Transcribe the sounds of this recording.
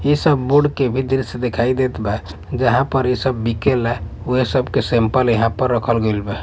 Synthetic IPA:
isəbːuɖkebʱid̪iɾsed̪ekʰaid̪et̪bɛ | d͡ʒəɦãpəɾisəbːikelɛ | uɦesəbkesẽmpəljəɦãpəɾːəkʰəlɡolbɛ

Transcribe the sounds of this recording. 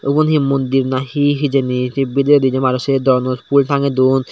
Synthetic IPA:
ubunɦimːond̪iɾnaɦiɦid͡ʑenitibid̪eod̪id͡ʒemaɾuʃed̪ɔnospʰult̪ʰaŋed̪un

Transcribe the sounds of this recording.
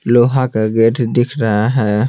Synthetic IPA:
loːɦakaɡeːʈd̪ɪkʰɾəɦaɦɛː

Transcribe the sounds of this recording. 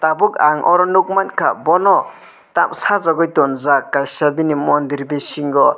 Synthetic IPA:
tabuk̚aŋʔɔɾɔnuk̚mankʰabɔnɔ | tam̚sazaɡɔjtɔnzakːalsabinimɔnd̪iɾbisiŋɡɔ

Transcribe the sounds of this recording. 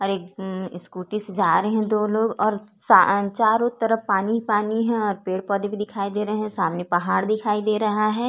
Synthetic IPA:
ɔːɾeːk̚ɪskuːʈised͡ʒaːɾeɦɛ̃d̪oːloːɡɔːɾsat͡ʃaːɾut̪ɐɾəfpaːniipaːniɦɛ̃ɔːɾpeːɽpɔːd̪ebʱid̪ɪkʰaːid̪eːɾɐɦɛ̃saːmnepɐɦaːɽd̪ɪkʰaːid̪eːɾɐɦaɦɛː

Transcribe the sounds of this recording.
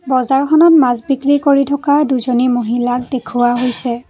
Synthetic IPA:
bɔzaɹkʰɔnɔtmazbikɹikoɹitʰɔkaduzonimoɦilak̚dekʰuwaɦojsɛ

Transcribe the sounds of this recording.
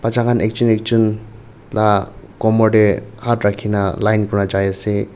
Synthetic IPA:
pad͡ʒakanek̚t͡ʃunek̚t͡ʃun | lakɔmɔɖehatɾakʰːinalajnpuɾnad͡ʒajase

